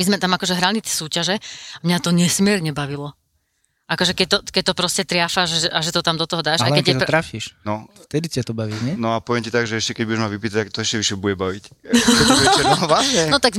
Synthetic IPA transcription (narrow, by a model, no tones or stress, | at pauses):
mizmɛt̪amakɔʒɛɦɾalit̪ɛ̥ːsuːcaʒɛamɲat̪ɔɲɛsmɪɛɾɲɛbaʋilɔ | ʔakɔʒɛkɛc̚t̪ɔkɛc̚t̪ɔpɾɔscɛt̪ɾɪafaʒɛʒɛʔaʒɛt̪ɔt̪amd̪ɔt̪ɔɦɔd̪aːʃakɛɛt̪ɾafiːʃnɔft̪ɛd̪itiat̪ɔbaʋiɲɛnɔapɔʋɪɛmcit̪aɡʒɛɛʃcɛkɛɟbuɟɛʒmaʋipit̪at̪akt̪ɔɛʃcɛʋiʃɛbuɟɛbaʋic | ɛʋlasɲɛɔt̪aɡ